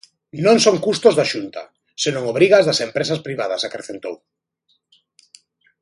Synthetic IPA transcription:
nõŋsoŋkust̪ozðaʃunt̪ɐ̰ | senõŋoβɾiɣɐzðɐsempɾesɐspɾiβ̞að̞ɐsakɾeθent̪o̰w

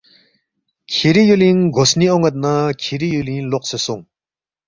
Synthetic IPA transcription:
kʰiɾijulinɡosnioŋət̪̚nəkʰiɾijulinloqsəsoŋ

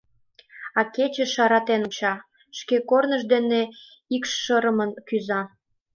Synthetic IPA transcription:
ɑket͡ɕeʃɑɾɑt̪enot͡ɕɑ | ʃkekornəʒd̪ene | ikʃːəɾəmənkyzɑ

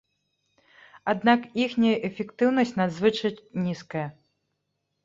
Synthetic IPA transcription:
ad̪nakixnʲɐjɐʔɛfʲɛkt̪ɨwnɐsʲt͡sʲnad̪zvɨt͡ʂɐt͡sʲnʲiskɐjɐ

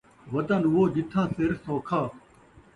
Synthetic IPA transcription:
ʋɐt̪ənʊɦoːɗɪt̪ʰãːsɪɾsoːkʰaː

